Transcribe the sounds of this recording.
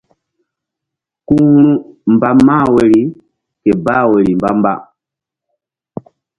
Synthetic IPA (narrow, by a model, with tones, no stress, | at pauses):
ku˦ɾũ˦mba˦maː˦˨we˨ɾi˨ | kɛ˨baː˦˨we˨ɾi˨mba̰˦mba̰˦˨